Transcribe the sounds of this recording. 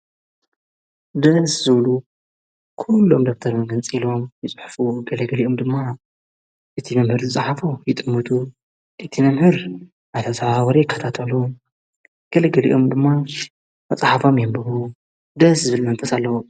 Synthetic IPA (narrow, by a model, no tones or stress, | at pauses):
d̪ɐszɨβlu | kʰulːo̞md̪ok̚t̪ʰɐɾmɡɐnt͡sʼilo̞mjɪt͡sʼħfuɡɐlɐɡɐliʔomd̪ɨmːa | ʔɨt̪ʰimɐmhɨɾzɨt͡sʼaħafujɪt̪ʼɨmːɨt̪ʰu | ʔɨt̪ʰimɐmhɨɾ | ʔajt̪ʰɐsʼawɐɾijɪkʰːɐt̪ʰat̪ʰɐlu | ɡ̥ɐlɐɡɐlḭʔo̞md̪ɨmːa | mɐt͡sʼaħafomjɛmbɨhu | d̪ɐszɨβɨlmɐnfɐsalːɐwo